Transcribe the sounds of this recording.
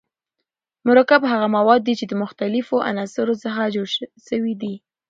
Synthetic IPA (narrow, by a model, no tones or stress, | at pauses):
mʊɾakabɦaɣamawɑd̪̚ːit͡ʃed̪əmʊxt̪alɪfoʔa̰nɑsɪɾosəxad͡ʒoɽʃʃəwid̪i